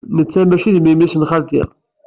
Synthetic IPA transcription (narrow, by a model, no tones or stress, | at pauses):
nət͡sːæmæʃiðmimisnχaɾd̪ḭʁ